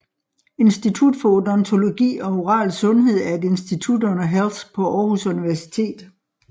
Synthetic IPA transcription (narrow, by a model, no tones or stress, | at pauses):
e̝nsd̥it͡sʰud̥fɒ̽odɒ̽nt͡sʰo̝lo̝ɡ̥ḭːɒ̽o̝ʁɑ̰̈ːlsɔ̽nɦe̝ð̞̰ˠæɐe̝d̥e̝nsd̥it͡sʰud̥ɔ̽nɐɦelspʰɒ̽ʔɒːhusuniʋæɐsi̥t͡sʰe̝̰ːd̥